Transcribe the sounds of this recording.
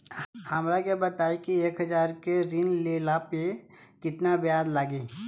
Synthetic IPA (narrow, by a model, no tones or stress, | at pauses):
həmɾaɡebɐt̪aːikieːkɦɐd͡ʒaːɾkeɾinleːlaːpjekɪt̪nabjaːd̪laːɡiː